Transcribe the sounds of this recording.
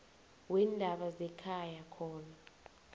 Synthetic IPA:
wɛndʱaɓazɛkʰajakʰɔːna

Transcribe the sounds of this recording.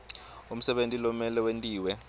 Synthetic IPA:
um̩sɛɓentʼilɔmɛlɛwentʼiːwɛ

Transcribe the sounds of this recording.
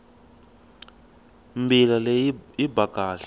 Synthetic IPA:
mbilaleibʱaɡ̥aːɬḁ

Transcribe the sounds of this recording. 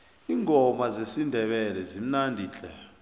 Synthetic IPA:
iːŋʱɔmazesindʱɛɓɛlɛzim̩nandʱiːt͡ɬʰʼɛ̰

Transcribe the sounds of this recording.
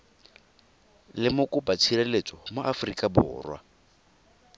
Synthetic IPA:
lɪmʊkʼʊbat͡ʃʰirɛlet͡sʼɔmʊʔafrikʼabʊ̰ːrwa̰

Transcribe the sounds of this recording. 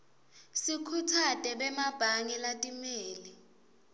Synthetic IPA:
sikʰutʰadʼʱɛɓɛmab̥ʱaŋilatʼimeːli

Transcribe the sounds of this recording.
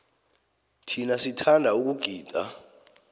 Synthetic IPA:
tʰinasitʰandʱauk̬uɡ̥ʱiːd̥ʱʼa̰

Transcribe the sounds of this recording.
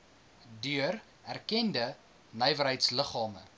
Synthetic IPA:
dyər | ærkɛndə | nəjvəɾɦəjtsləχɑːmə̰

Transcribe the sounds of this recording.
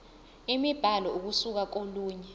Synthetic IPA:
imib̥ʱalɔuk̬usuk̬ak̬oluːɲɛ

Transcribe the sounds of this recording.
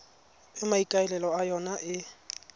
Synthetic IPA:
ɪmaikʼaɛlɛlɔajɔnaʔɪ

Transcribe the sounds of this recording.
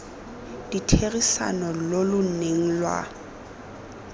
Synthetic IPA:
d̥itʰeɣisa̰nɔlolʊn̩neŋ̩lwa̰

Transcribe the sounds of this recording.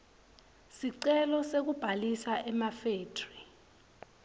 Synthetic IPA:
siǀɛlɔsek̬ub̥ʱalisaʔɛmafeːtʰri

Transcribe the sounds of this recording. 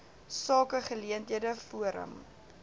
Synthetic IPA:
sɑːkəχəliəntɦiədəfuəɾə̰m

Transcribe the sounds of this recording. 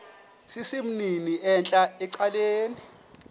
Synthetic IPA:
sisim̩niniʔɛnt͡ɬʼaɛǀaleːni

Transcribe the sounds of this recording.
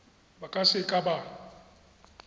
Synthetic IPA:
bakʼasɪkʼabaːl

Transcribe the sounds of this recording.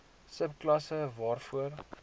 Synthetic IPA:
səpklɐsəvɑːrfuər

